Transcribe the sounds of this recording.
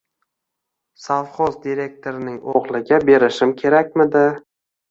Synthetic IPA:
savχozd̪iɾe̞k̚t̪ʰoɾɪnɪŋoʁlˠɪɡʲabe̞ɾɪʃɪmkʲʰe̞ɾak̚ʲmɪd̪ɪ

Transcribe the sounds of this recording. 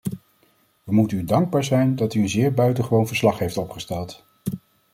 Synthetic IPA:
ʋəmutənydɑŋɡ̚baːɹzɛjndɑtyənzɪːɹbœɥtəχəʋownvəɹslɑχɦejftɔpχəstɛlˠt

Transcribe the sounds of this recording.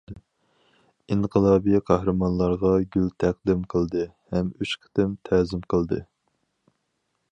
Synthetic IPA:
inqʰəlˠɑːbijqʰɑhɾɨmɑnlˠɑɾʁɑɡʲylt̪ʰæq̚d̪ɪmqʰəlˠd̪ɨhɛmyʃqʰə̥t̪ɪmt̪ʰɛːzɪmqʰəlˠd̪ɨ

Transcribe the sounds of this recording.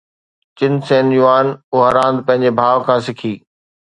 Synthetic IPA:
t͡ɕɪnsẽːnjuaːnʊɦəɾãːnd̪̚pɐ̃ɦɪ̃ɲ̆d͡ʑebʱaːʋkʰãːsɪkʰiː

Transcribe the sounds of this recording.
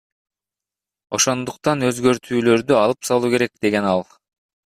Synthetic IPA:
o̞ʃo̞nd̪uqt̪ɑnø̞zɡø̞ɾt̪ʰyːlø̞ɾd̪yɑlˠɯpsɑlˠuːke̞ɾe̞k̚d̪̥e̞ɡe̞nɑlˠ

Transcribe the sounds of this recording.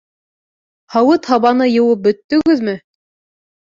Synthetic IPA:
hɑwɤt̪hɑβɑnɤjɤ̆wɤp̚bɵ̆t̪ːɵ̆ɡɵðmɘ

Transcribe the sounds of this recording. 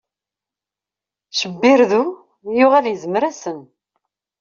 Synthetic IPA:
ʃəbːɪɾðu | jʊʁæljəzməɾæsən

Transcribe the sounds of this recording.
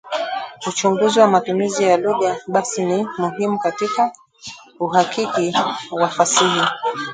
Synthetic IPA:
ut͡ʃuŋɡuziwamatumizijaluɠaɓasinimuɦimukatika | uɦakikiwafasiɦi

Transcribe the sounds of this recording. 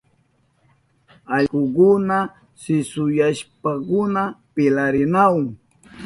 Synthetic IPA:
aʎɢʊkʊna | sɪsʊjaʃpakʊnapɪlaɾɪnawŋ

